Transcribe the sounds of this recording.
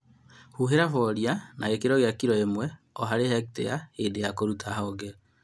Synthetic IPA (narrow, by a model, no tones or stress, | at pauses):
huɦeɾafɔɾjanaɣekeɾɔɣjakiɾɔemwɛ | ɔɦaɾehɛk̚tḛjahedejakoɾutʰaɦɔɡɛ